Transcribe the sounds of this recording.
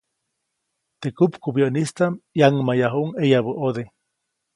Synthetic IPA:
t̪ekupkubjoʔnist̪amjaŋmajaɦuʔŋejaβuʔod̪e

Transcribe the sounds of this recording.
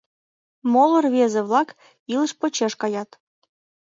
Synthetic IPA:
molərβezĕβlɑk | ilə̆ʃpot͡ɕeʃkɑjɑt̪

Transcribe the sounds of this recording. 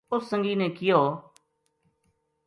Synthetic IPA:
ʊsːə̃ŋɡiːneːkɪjoː

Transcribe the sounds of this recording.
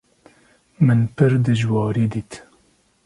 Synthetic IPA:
mɨnpʰɨɾd̪ɨʒwɑːɾiːd̪iːt̪

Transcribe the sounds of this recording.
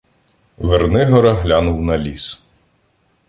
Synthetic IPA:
ʋernɪɦɔɾɐɦlʲanʊwnɐlʲis

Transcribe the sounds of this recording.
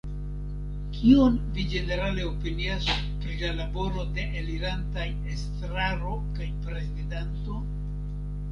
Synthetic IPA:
kʰio̞nvid͡ʒe̞ne̞ɾale̞opinias | pɾilalabo̞ɾo̞de̞ʔeliɾantajestɾaɾo̞kajpɾe̞zidanto̞

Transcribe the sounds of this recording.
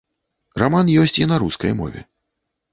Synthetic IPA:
ramanjɔsʲt͡sʲinɐɾuskɐ̰jmɔ̰vʲɛ̰

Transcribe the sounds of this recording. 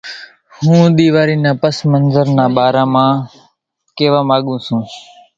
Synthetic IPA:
hũːɗ̪iːʋaːɾiːnãːpəsmənzəɾnãːɓaːɾãːmãː | keːʋãːmaːɠũːsũː

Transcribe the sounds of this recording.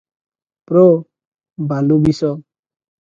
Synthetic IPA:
pɾɔ | bʱalubisɔ

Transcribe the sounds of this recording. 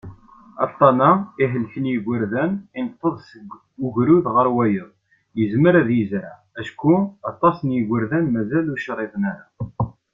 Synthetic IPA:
ɑ̰t̪ˤːɑnaiɦəlçənjiɡʷəɾðænint̪ˤːəðˤsɡ | ʊʝɾuðʁəɾwæjəðˤ | jəzməɾæðjəzɾa | æʃkuɑt̪ˤːɑsənjiɡəɾðænmæzæluʃɾˤːeðˤənæɾa

